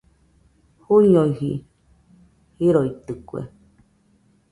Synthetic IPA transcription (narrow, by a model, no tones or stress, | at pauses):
huiɲoihḭ | hiɾoit̪ɨkuḛ